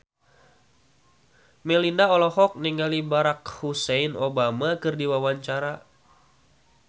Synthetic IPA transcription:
mɛlinaɔlɔɦɔk̚niŋalibaɾakhusɛinobamakɨrdiwawaɲt͡ʃaɾa

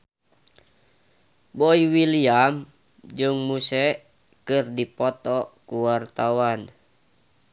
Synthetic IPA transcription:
boiwiliam | d͡ʒɨŋmusɛ | kɨrdipɔt̪ɔkuwart̪awan

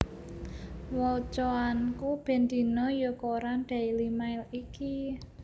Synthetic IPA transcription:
wɔt͡ʃɔankub̥ɛ̤nd̪i̤nɔjokoɾanɖ̪̥ɛ̤ilimaɪliki

